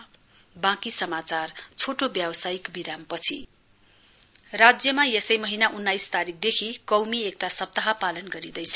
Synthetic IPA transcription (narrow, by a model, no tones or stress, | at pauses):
bãkisʌmat͡sart͡sʰoʈobjawʌsajikbiɾampʌt͡sʰi | rad͡zjʌmajesʌjmʌɦinaʔunːajst̪aɾik̚ʰd̪ekʰikʌwmiek̚t̪asʌp̚t̪ʌɦapalʌnɡʌɾid̪ʌjt͡sʰʌ̥